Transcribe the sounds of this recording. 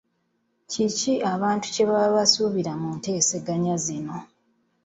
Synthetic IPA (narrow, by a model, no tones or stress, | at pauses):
ciciʔaβaːntu̥ce̞βaβasuβiɾamunte̞ːse̞ɡaɲazino̞